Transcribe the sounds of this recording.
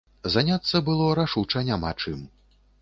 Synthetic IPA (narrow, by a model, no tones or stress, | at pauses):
zanʲat̪sːɐbɨlˠɔɾaʂut͡ʂɐnʲama̰t͡ʂɨm